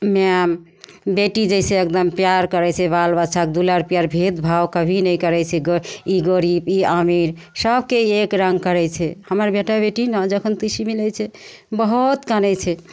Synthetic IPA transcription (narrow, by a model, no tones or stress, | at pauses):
mam | beʈid͡ʒɛsẽek̚d̪əmpjaɾkəɾɛt͡ʃʰɛbalbət͡ʃʰak̚d̪uləɾpjaɾbʱed̪bʱawkəbʱinɛjkəɾɛt͡ʃʰɛɡiɡəɾibiamiɾ | səbʱkeekɾə̃ŋɡ̚kəɾɛt͡ʃʰɛhəməɾbeʈabeʈinad͡ʒəkʰənt̪isimilɛt͡ʃʰɛ | bəɦut̪kanɛt͡ʃʰɛ